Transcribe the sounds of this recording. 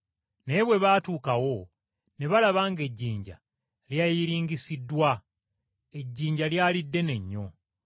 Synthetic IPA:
ne̞βwe̞βaːtuːkawo̞ | ne̞βalaβaːŋɡe̞ɟːiːɲɟa̰ | ljajiɾiːŋɡisidːwa | e̞ɟːiːɲɟaljaːlidːe̞ne̞ɲːo̞

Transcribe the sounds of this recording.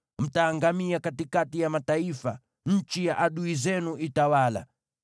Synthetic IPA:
m̩taːŋɡamiakatikatijamataifa | ɲ̩t͡ʃijaʔaɗuizɛnuitawala̰

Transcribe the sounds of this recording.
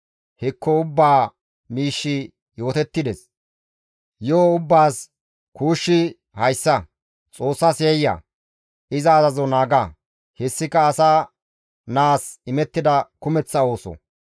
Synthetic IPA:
hɛkʰːɔʊbːaː | miːʃːɪ | jo̞ːt̪ɛt̪ːɪd̪ɛs | joːʊbːaːs | kuːʃːɪ | hɐjsːɐ | t͡sʼo̞ːsːasjɛjːɐ̰ | ɪzɐːzɐzɔnaːɡɐ | hɛsːɪkːɐːsaː | naːsɪmɛt̪ːɪd̪ɐkʊmɛt͡sːɐo̞ːsɔ̰

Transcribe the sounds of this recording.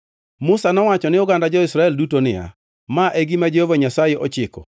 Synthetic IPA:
mʊsanɔwat͡ʃɔnɪʊɡandad͡ʒɔɪsɾaɛldutonɪja̰ | maʔɛɡimad͡ʒehovaɲasajɛʔɔt͡ʃɪkɔ̰

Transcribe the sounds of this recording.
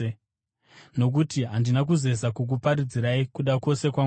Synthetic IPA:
no̞k̬utiɦandinak̬uze̞sakuk̬upaɾid͡ziɾaikuɗako̞se̞kwa

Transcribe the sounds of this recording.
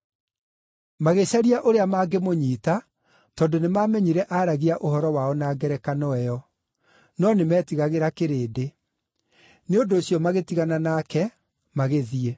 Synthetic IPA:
maɣeɕaɾiaʔoɾeamaːɡemoɲiːta | tɔːndonemaːmɛɲiɾɛʔaɾaɣiaʔoɦɔɾɔwaɔnaːɡɛɾɛkanɔɛjɔ | nɔnemɛːtiɣaɣeɾakeɾeːde | neodoːɕjɔmaɣetiɣananakɛ | maɣeðie

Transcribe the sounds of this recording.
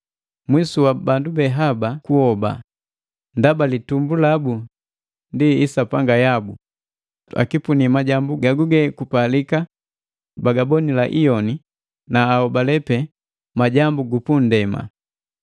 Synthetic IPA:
mwisuwabandubɛɦabakuhɔba̰ | ndabalitumbulabu | ndiːsapaŋɡajabu | a̰kipunimaɟambuɡaɡuɡɛkupalika | baɡabɔnilaʔijɔni | naːɔbalɛpɛ | maɟambuɡupun̩dɛma̰

